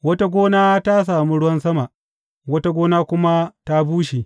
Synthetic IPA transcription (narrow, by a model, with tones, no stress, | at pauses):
wɐ˦ta˦ɡʷoː˦naː˦ta˦s̬aː˨mi˦ɽʊ˦wɐ˦nsɐ˦ma˨ʔ | wɐ˦ta˦ɡʷoː˦naː˦kʷʊ˦ma˦ta˦buː˦ʃi˨